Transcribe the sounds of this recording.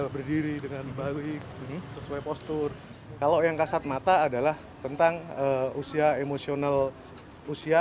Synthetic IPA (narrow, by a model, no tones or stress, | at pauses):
bərdiɾidəŋanbaɡihm̩səsuajpost̪ʊr | kalawjaŋkasat̪̚mat̪aːdalah | t̪ənt̪aŋəusiaemosional | usia